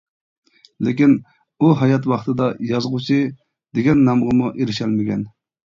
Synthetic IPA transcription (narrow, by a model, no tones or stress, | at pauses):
lɪkʲin | uɦɑjɑt̪wɑχt̪ɨd̪ɑjɑzʁut͡ʃʰi | d̪̥eɡʲɛnːɑmʁəmuʔeɾɪʃɛlmɪɡʲɛn